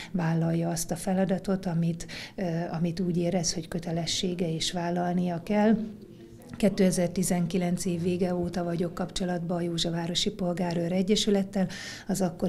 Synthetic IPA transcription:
vaːlːɒjːɒɒst̪ɒfɛlɒd̪ɒt̪o̞t̪ɒmit̪ɒmit̪uːɟeːɾɛsho̞ckø̞t̪ɛlɛʃːeːɡɛeːʃʋaːlːɒlnijɒkɛl | kɛt̪ːøːɛzɛrt̪izɛŋkilɛnt̪seːvːeːɡɛoːt̪ɒvɒɟo̞kːɒpt͡ʃo̞lɒd̪bɒːjoːʒɒvaːɾo̞ʃipo̞lɡaːɾøːɾɛɟːɛʃylɛt̪ːɛl | ɒzɒkːo̞

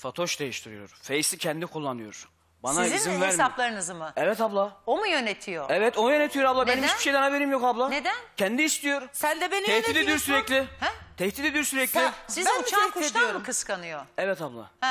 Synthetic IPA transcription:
fat̪ʰo̞ʃd̪ejiʃt̪ʰiɾḭjo̞̰ɾfejsicʰɛnd̪ikʰulˠːanɯjoɾ̥ | ba̰naezinvæɾsaplˠaɾɯnɯzɯmɯɛvɛt̪ʰablˠaomujø̞net̪ʰijo̰ɛvɛt̪ʰonujønet̪ʰijo̞ɾablˠab̪ɛnimt͡ʃiʃejd̪ɛnaveɾiːmjokablˠaned̪æncʰɛnd̪iːst̪ʰijo̞ɾsænd̪ɛbenɛh̪id̪eioɾsyɾɛclʲɪhɛt̪ʰɛçt̪it̪ed̪ijoɾsyɾɛclʲissizut͡ʃak̪ʃedijoɾkʰɯskanɯjoɛvɛt̪ʰablˠa̰h

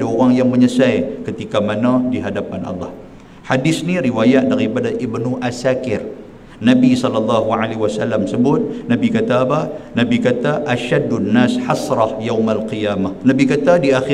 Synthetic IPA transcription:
aoɾaŋjaŋməɲəsajkət̪ikamanadiɦadapanʔɑ̰lːɑh | hadɪsniɾiwajat̪̚daɾipadaʔɪbnʊhʔasakɪr | nabisɔlɑlːɑɦuʕalewasalːamsəbʊt̪̚nabikat̪abanabikat̪aʔaʃadːnːaːsħasɾɑhjawmalqijaːmahnabikat̪adiaxi

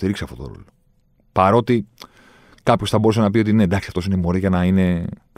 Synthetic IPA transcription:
iɾikseɐft̪o̞t̪o̰ɾo̰lo | pɐɾo̞t̪i | kɐpçosθɐbo̞use̞nɐpio̞t̪inend̪ɐksiɐft̪o̞sinemo̞ɾiʝɐnɐine̞

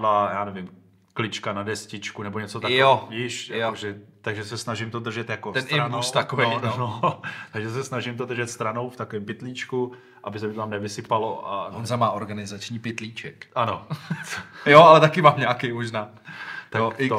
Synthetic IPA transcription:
laːjaːnɛvɪm | klɪt͡ʃkanadɛscɪt͡ʃkunɛboɲɛt͡sot̪aojiːʃjaoʒɛt̪aɡʒɛsɛsnaʒɪmt̪od̪r̩ʒɛt̪jakot̪ɛnɪust̪akovɛnot̪aɡʒɛsɛsnaʒɪmt̪od̪r̩ʒɛt̪st̪ɾano̞wft̪akovɛmpɪt̪liːt͡ʃku | ʔabɪsɛmɪt̪ot̪amnɛvɪsɪpaloʔa̰zamaːʔoɾɡanɪzat͡ʃɲiːpɪt̪liːt͡ʃɛkʔano | joʔalɛt̪akɪmaːmɲaːkemoʒnaː | t̪aoo

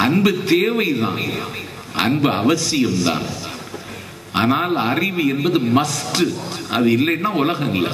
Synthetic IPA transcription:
ɐnbɯt̪eːʋɐɪt̪ã̰ːn | ɐ̰nbɯɐʋɐsɪjɐmt̪ã̰ːn | ʔa̰ːnaːlɐrɪʋɯɛnbɐðɯmɐsʈɯʔɐ̰ðɯɪlːɐnːaːʊlɐɣɐnɪlːɐ̰

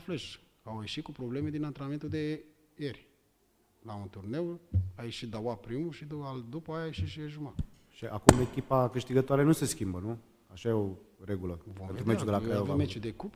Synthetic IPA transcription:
fleʃ | awjeʃit̪̚kupɾoblemed̪inant̪ɾenament̪ud̪e | eɾʲ | launt̪urnewajeʃit̪d̪awapɾimuʃid̪uald̪upəajajeʃiʃieʒuma | ʃiʔakumekʲipakɨʃt̪iɡət̪oaɾenuse̞skʲimbənu | aʃajeoɾeɡuləvoent̪ɾumet͡ʃud̪elakvmet͡ʃud̪ekup

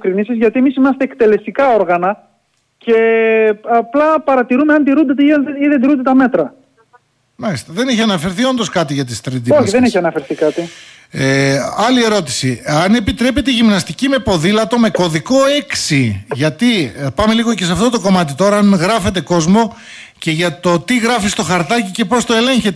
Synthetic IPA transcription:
kɾinisizʝɐt̪iemisimɐst̪eːkt̪e̞le̞st̪ikɐo̞ɾɣɐnɐ | ce̞ | ɐplɐpɐɾɐt̪iɾumeɐnt̪iɾund̪et̪iniðend̪iɾund̪et̪ɐme̞t̪ɾɐ | mɐlist̪eðe̞neçiɐnɐfe̞ɾθio̞nd̪o̞skɐt̪iʝɐt̪ist̪ɾid̪ioçðe̞neçiɐnɐfe̞ɾθikɐt̪i | eɐlie̞ɾo̞t̪i̥siɐnepit̪ɾe̞pe̞t̪eʝimnɐst̪icime̞po̞ðilɐt̪o̞me̞ko̞ðiko̞e̞ksiʝɐt̪ipɐmeliɣo̞ce̞sɐft̪o̞t̪o̞ko̞mɐt̪̬it̪o̞ɾɐɐnɣɾɐfe̞t̪̬e̞ko̞zmo̞ | ce̞ʝɐt̪o̞t̪iɣɾɐfist̪o̞xɐɾt̪ɐcice̞po̞st̪o̞e̞le̞ɲçet̪e

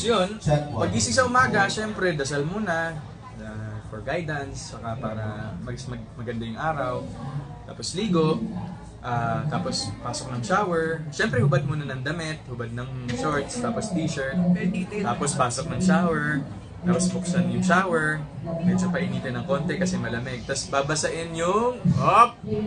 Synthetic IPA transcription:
jonpɐɡ̚ʔiːsɪsɐʔʊmaːɡɐʃɛmpɾɛd̪ɐsɐlmuːnɐ | afɔɹɡajd̪ɐnst͡ʃɐkapaːɾɐmɐsmɐmɐɡɐnd̪ɐjʊŋʔaːɾɐwt̪aːpo̞sliːɡo̞ | ʔaːt̪aːpo̞spaːsok̚nɐŋʃaːwɛɹʃɛmpɾɛhʊbad̪̚muːnɐnɐŋd̪ɐmɪt̪̚hʊbad̪̚nɐŋʃoɹt̪st̪aːpost̪iːʃɛɹt̪̚t̪aːpospaːsok̚nɐŋʃaːwɛɹ | nɐkɐsbʊksɐnjʊŋʃaːwɛɹmɛd͡ʒopɐʔɪniːt̪ɪnɐŋko̞ːnt̪ɛkɐsɛmɐlɐmɛɡ̚t̪ɐsbaːbɐsɐʔɛnjʊŋʔop̚

